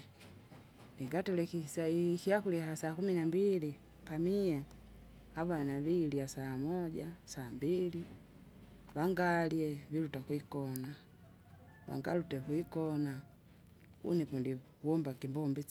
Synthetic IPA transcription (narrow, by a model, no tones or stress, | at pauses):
niŋɡatɛlɛkisaikiakulihasaːkuminambili | pamia | aβanaβilijasaːmɔɟasaːmbili | βaŋɡaliɛvilutakuikɔna | βa̰ŋɡa̰lutɛβuikɔna | ṵnɛpundi | wɔmbakimbɔmbi